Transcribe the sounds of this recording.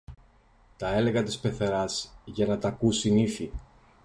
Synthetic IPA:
t̪ɐe̞le̞ɣɐt̪ispe̞θeɾɐzʝɐnɐt̪ɐkusiniθi

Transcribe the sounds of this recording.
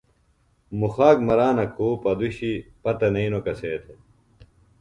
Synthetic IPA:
muxaːkmɐɾaːnɐkʰuːpɐd̪uɕipɐt̪ɐnɐinokɐseːt̪ʰe

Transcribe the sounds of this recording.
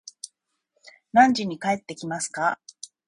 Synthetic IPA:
nãɲ̟d͡ʑiɲ̟ikae̞t̪ːe̞kʲimasɨ̥ka

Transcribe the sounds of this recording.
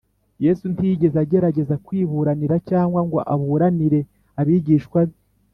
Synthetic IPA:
je̞suntiɟe̞zaɟe̞ɾaɟe̞zakwiːβuɾaniɾacaːŋɡwaŋɡo̰ʔaβuɾaniɾe̞ | aβiɟiːʃkwaβi

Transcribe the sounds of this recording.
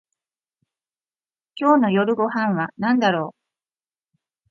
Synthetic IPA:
kʲo̞ːno̞jo̞ɾɯ̟ɡo̞ɦãɰ̃βanãnd̪aɾo̞ː

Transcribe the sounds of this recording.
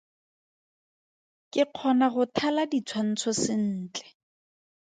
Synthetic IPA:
kʼɪq͡χʰɔnaχʊtʰaladit͡sʰwan̩t͡sʰɔsɪn̩ːt͡ɬɛ̥

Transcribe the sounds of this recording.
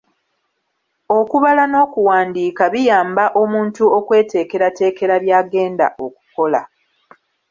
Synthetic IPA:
o̞kuβalano̞ːkuwaːndiːkaβijaːmbaʔo̞muːntuo̞kwe̞ːte̞ːke̞ɾate̞ːke̞ɾaβjaːɡe̞ːnda̰ʔo̞ku̥ko̞la

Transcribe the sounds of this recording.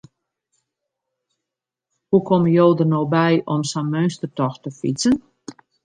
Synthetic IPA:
hukʰɔməjoːdənoːbɛjʔɔmsanmøɥnstərtɔxtəfḭt͡sən

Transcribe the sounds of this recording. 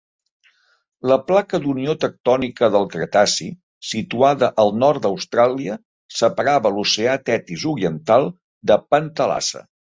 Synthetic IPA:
ləplakəd̪uniot̪ək̚t̪ɔnikəðəlˠkɾət̪asḭ | sit̪uaðəʔəlˠnɔɾt̪̚d̪əwst̪ɾalˠiə | səpəɾaβəluseat̪ɛt̪izuɾiənt̪alˠ | d̪əpənt̪əla̰sə̰

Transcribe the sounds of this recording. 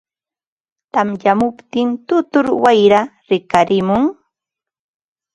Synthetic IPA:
t̪amjamʊpt̪ɪnt̪ʊt̪ʊɾwajɾa | ɾɪkaɾɪmʊŋ

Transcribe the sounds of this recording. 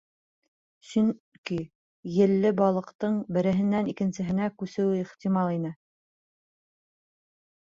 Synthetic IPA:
sɵŋ | ki | jɘ̆lːɘbɑlˠɤ̆qt̪ɤɴbɘ̆ɾɘ̆ɦɘ̆nːænikɘ̆nsɘ̆ɦɘ̆nækʉsɘ̆wɘiχt̪imɑlˠinɘ

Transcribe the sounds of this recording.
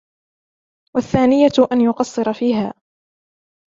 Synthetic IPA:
waθːaːnɪjaʔanjʊqɑsˤːɨɾˤɑfiːɦaː

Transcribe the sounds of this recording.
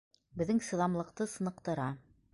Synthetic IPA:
bɘ̆ðːɘŋsɤ̆ðˠɑmlˠɤ̆qt̪ɤsɤ̆nɤ̆qt̪ɤ̆ɾɑ

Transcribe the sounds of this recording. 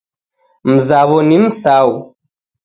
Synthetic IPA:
m̩zaːβonimsaːw

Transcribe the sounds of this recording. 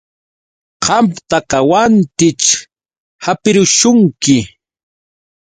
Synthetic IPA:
qɑmpt̪ɑqɑwant̪ɪt͡ʃ | hapɪɾʊʃʊŋkɪ

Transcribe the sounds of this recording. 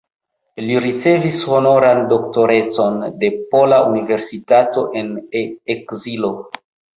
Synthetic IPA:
liɾit͡se̞visho̞no̞ɾando̞kto̞ɾe̞t͡so̞nde̞polaunive̞ɾsitato̞ʔe̞neekzilo̞

